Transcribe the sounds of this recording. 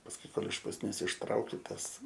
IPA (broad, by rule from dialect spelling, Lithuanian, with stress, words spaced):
pɐsˈkʊɪ ˈkoːlˠ ɪʃ pʊsʲˈnʲiɛs ɪʃˈtrɐʊkʲɪ ˈtɐs